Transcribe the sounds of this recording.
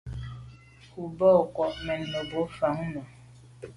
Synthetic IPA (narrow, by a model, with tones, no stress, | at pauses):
ku˨bɔ˦˨kwɔ˨ʔmɛ˨nːo˨bo˨˦fa˨˦ŋnɔ˨